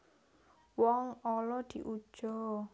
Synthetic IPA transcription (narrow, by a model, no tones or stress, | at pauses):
wɔŋɔlɔd̪̥i̤ʔud̥ʒ̥ɔ